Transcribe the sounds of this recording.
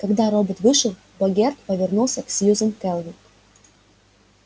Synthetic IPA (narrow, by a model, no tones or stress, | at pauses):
kɐɡd̪aɾobət̪vɨʂəlˠ | bɐɡʲert̪pəvʲɪrnulˠsʲəksʲjuzəmkɛlˠvʲɪk